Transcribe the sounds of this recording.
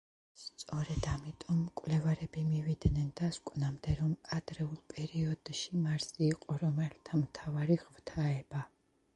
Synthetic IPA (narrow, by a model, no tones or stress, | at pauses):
st̪sʼɔɾɛd̪amit̪ʼɔmːkʼwvlɛvaɾɛbimivid̪nɛnd̪askʼnamd̪ɛɾɔmad̪ɾɛulˠpʼɛɾiɔd̪̥ʃimaɾsiːqʼɔɾɔmɛlt̪ʰamt̪ʰavaɾiʁvt̪ʰaɛba